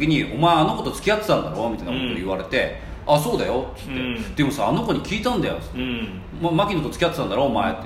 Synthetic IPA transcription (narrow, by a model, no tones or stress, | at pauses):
kʲiɲ̟iʔo̞maeano̞ko̞t̪o̞t͡sɨ̥kʲijat̪ːe̥t̪ãnd̪aɾo̞mʲit̪aina̰kot̪ojɯβaɾe̞t̪e̞ | aso̞ːd̪ajo̞t̪ɨ̥t̪ːed̪̥e̞mo̞saːno̞ko̞ɲ̟ikʲiːt̪ãnd̪ajo̞̰t͡sɨ̥t̪ːe | mmakʲinot̪ot͡sɨ̥kʲijat̪e̥t̪ãnd̪aɾoːmaet̪ː